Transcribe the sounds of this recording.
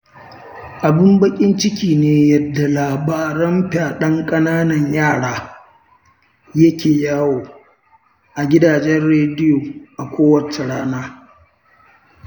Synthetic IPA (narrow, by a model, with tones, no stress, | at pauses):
ʔa˨bɪ˦mbɐ˦kʲʼɪ˦nt͡ʃɪ˦kʲiː˨neː˦jɐ˨dːa˨laː˨baː˨ɾɐ˦mɸaː˨ɗɐ˦ŋkʼɐ˦naː˦nɐ˨ɲjaː˦˨ɽaː˦ | jɐ˦kʲeː˨jaː˦woː˨ | ʔa˨ɡʲɪ˦daː˨d͡ʒɛ˦rɽeː˦dɪ˦joː˨ʔa˨kʷoː˦wɐ˨t͡ʃe˨ɽaː˦naː˦